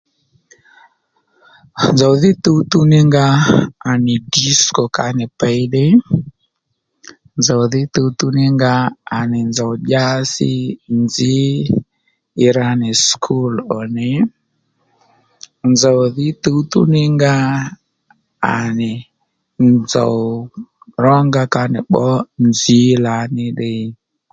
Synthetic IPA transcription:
nzɔ˨ði˦t̪u˦t̪u˦ni˦ŋɡaː˦˨ni˨di˦skɔ˨ka˨nɪ˨pɛ˦ɗe˦ | nzɔ˨ði˦t̪u˧t̪u˦ni˦ŋɡaː˦˨nɪ˨nza˨ʄa˦sḭ˦nzi˦ | ɾa˧nɪ˨skʰu˦lɔ˨nɪ˨ | nzɔ˨wðɪ˦t̪u˦tṵ˦nɪ˦ŋɡa˦ | a̰˨nɪ˨ | nzɔ̰˨ | rɔ˦ŋɡa˧ka˧nɪ̰˨ɓɔ˦nzi˦la˨nɪ˦ɗɪ˦

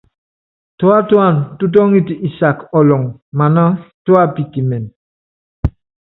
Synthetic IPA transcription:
tɔ˦a˦twa˦˨ntu˦t̬ɔ˦ŋi˦ti˨ʔi˨sa˨kɔ˨lɔ˨ŋma˨na˦twa˦pi˨ti˨mɛ˨n

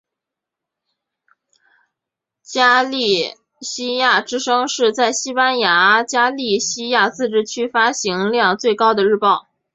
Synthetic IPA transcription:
t͡ɕja˥li˥˩ | ɕi˥ja˥˩ʈ͡ʂɻ̩˥ʂɤ˥ŋʂɻ̩˥˧t͡sa˥˩ɪɕi˥pa˥nja˧˥t͡ɕja˥li˥˩ɕi˥ja˥˧t͡sɹ̩˥˧ʈ͡ʂɻ̩˥˩t͡ɕʰy˥fa˥ɕi˧˥ŋljɑ˥˧ŋt͡swe˥˩ɪkɑ˥ʊd̪ə˨ɻɻ̩˥˧pɑ˥˩ʊ

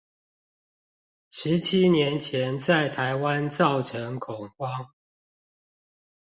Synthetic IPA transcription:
ʂɻ̩˨˦t͡ɕʰi˦njɛ˨˦nt͡ɕʰjɛ˨˦nt͡sa˥˨ɪt̪ʰa˨˦ɪwa˦nt͡sɑ˥˨ʊʈ͡ʂʰə˨˦ŋkʰʊ˨˩ŋkwɑ˦ŋ

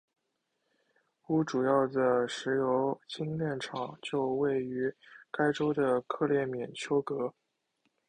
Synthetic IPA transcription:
pu˧˥˩ʈ͡ʂu˨˩jɑ˥˩ʊd̪ə˩ʂɻ̩˧˥jo˧˥ʊt͡ɕi˥ŋljɛ˥˩nʈ͡ʂʰɑ˨˩ŋt͡ɕjo˥˧ʊwe˥˩ɪy˧˥ka˥ɪʈ͡ʂo˥ʊd̪ə˨kʰɤ˥˧ljɛ˥˩mjɛ˨˩nt͡ɕʰjo˥ʊkɤ˧˥

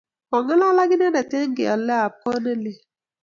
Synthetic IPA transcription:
ɔ˨ŋa˦la˦la˦ɡɪ˦n˦e˦na˨te˦ŋ˦ɡḛ˨a̰˨lɛ˦a˨p̚ɔ˦ne˦le˦

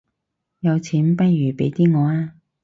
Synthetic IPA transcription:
jɐ˨˧wt͡sʰiː˨˥npɐ˥t̚jyː˨˩pe˨˥jt̪iː˥ŋɔː˨˧aː˥

